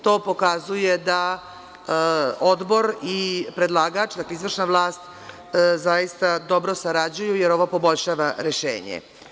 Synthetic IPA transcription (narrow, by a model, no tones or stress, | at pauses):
t̪o̞ːpo̞kazuje̞d̪a | od̪bo̞ɾipɾe̞d̪lˠaɡat͡ʃd̪akleizʋr̩ʃnaʋlˠaːst̪ | zajist̪ad̪o̞bɾo̞saɾad͡ʑujujeɾo̞ʋo̞po̞bo̞ʎʃaːʋaɾeʃḛːɲḛ